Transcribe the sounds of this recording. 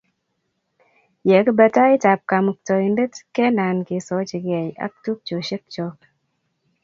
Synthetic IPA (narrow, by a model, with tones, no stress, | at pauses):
jɛ˨kə˦bə˨˧ta˦i˦ta˨p̚ka˨m˨k̚tɔ˨i˨nde˦tkɛ˦na˨nki˨˦sɔ˨˦t͡ʃi˨ɡɛ˨ja̰˦k̚tu˦k̚t͡ʃo˨ʃi˦k̚t͡ʃɔ˨k̚